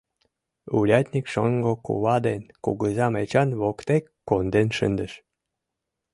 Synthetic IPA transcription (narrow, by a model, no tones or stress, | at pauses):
ulʲɑt̪ʲnʲikʃoŋɡokṵβɑd̪enkṵɣəzɑmet͡ɕɑnβokt̪ekːond̪enʃə̰nd̪əʃ